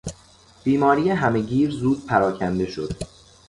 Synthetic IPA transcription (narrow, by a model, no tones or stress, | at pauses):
b̥iːmɒːɾijeɦæme̞ɟiːɾzuːd̪̥̚pʰæɾɒːcʰænd̪e̞ʃo̞d̪̥